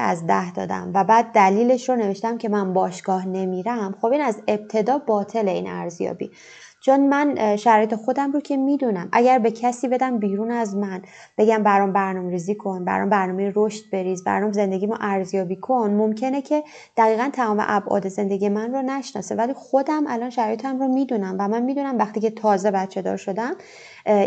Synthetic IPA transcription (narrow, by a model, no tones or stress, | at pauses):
æ̰zd̪æhd̪ɒ̰ːd̪æ̰mvæbæːd̪̚ːæliːle̞ʃɾone̞ve̞ʃt̪æmcʰe̞mænbɒːʃɡ̥ɒːhne̞miːɾæmxo̞biːnæze̞b̥̚t̪ʰe̞d̪ɒːbɒːt̪ʰe̞le̞ḭːnæ̰ɾzjɒ̰ːbḭ | t͡ʃʰonmænʃæɾɒːjet̪ʰe̞xo̞d̪æmɾoːcʰe̞miːd̪unæmʔæɟæɾbe̞cʰæsiːbe̞d̪æmbiːɾunæzmæn | b̥e̞ɟæmbæɾɒːnbæɾnɒːmeɾiziːkʰo̞nbæ̰ɾɔ̰mbæɾnɒːmejiɾoʃt̪̚be̞ɾiːzbæ̰ɾɔːmze̞nd̪eɟimɔʔæɾzjɒːbiːkʰonmomcʰe̞necʰe̞ | d̪̥æɣiːɣænt̪ʰæmɒːmeʔæbʔɒ̰ːd̪e̞ze̞nd̪e̞ɡije̞mænronæʃnɒ̰sevæliːxo̞d̪æmʔælɒnʃæɾɒːjet̪ʰæmromiːd̪unæmvæmænmiːd̪unæmvæxt̪iːcʰe̞t̪ʰɒːze̞bæt̪t͡ʃʰed̪ɒ̰ːɾʃo̞d̪æm